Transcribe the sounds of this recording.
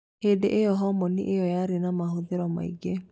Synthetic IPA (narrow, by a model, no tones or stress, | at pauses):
hedeʔejɔɦɔmɔnḭʔejɔjaɾenamaɦoðeɾɔma̰ḭɡe